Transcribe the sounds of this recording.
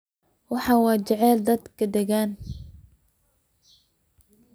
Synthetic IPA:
wɑħɑːwɑːt͡ʃɛʕɛːld̪ɐd̪kʰɐd̪ɛɣaːn

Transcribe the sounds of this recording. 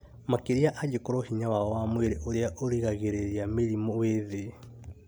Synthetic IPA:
makeɾiaʔaɟekoɾohiɲawaɔwamweɾeʔoɾeaʔoɾiɣaɣeɾeɾiameɾimɔweðe

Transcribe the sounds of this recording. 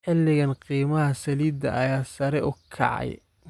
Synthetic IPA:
ħɪlːɪɣɐnqiːmɐɦɐsɐliːd̪ɐ̰ʔɐjaːsɐɾɛʔʊkʰɑ̰ʕɑ̰j

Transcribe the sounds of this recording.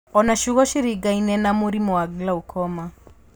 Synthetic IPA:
ɔnaʃuɣɔʃiɾiɡainɛnamoɾimoaɡilaokʰɔma

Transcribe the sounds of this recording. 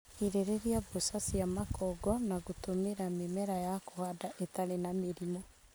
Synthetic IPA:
iɾeɾeɾiabosasiamakɔɡɔnaɣotomeɾamemɛɾajakohadaʔetaɾenameɾimo

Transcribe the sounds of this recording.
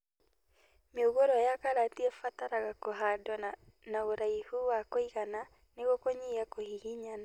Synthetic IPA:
meoɣoɾɔjakaɾatiɛfataɾaɣakoɦadɔ | naoɾaihuwakoiɣana | neɣokoɲiakohihiɲana

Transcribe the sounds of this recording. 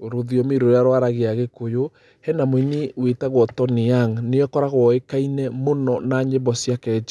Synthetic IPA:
oɾoðiɔmeɾoɾaɾwaɾaɣeaɣekojo | hɛnamoiniwetaɣwɔtɔniaŋneɔkɔɾaɣwɔekainɛmonɔnaɲebɔsjakɛd͡ʒa

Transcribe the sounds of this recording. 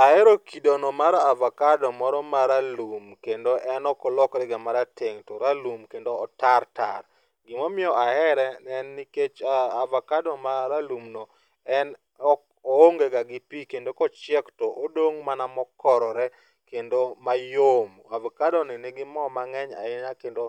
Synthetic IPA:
aɛɾokidonɔmaɾaavɔkadɔmɔɾɔmaɾalumkendoʔɛnɔkɔlɔkɾɛɡamaɾateŋtɔɾalumkendoːtarta̰r | ɡɪmɔmɪɔʔaɛɾɛnɛnːiket͡ʃaːvɔkadɔmaɾalumnɔ | ɛn | ɔ | ooŋɡeɡaɡɪpikendokɔt͡ʃɪɛktɔʔodoŋmanamɔkɔɾɔɾɛ | kendomajom | avɔkadɔnɪnɪɡɪmɔmaŋɛɲa̰ɪnakendo

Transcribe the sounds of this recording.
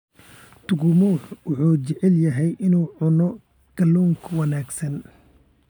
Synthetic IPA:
t̪ʰʊɡʊmuːħwʊħuːt͡ʃɪʕɛljɐɦɛjʔɪnuːʕʊnɔ | ɡ̥ɐluːŋkʰwɐnaːɡsɐn

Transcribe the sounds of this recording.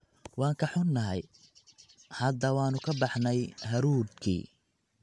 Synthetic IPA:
wɑːŋkʰɐħʊnːɐɦɛj | hɐd̪ɐwɑːnʊkʰɐbɑħnɛjɦɐɾuːd̪kʰḭː

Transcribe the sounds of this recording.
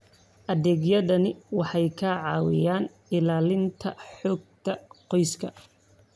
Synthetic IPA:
ʔɐðɛːɡjɐðɐnɪwɑħɑjkʰɐʕɑːwɪ̰jaːn | ɪlaːlɪnt̪ʰɐ̰ħɔːɡ̚t̪ʰɐqɔjskʰɐ

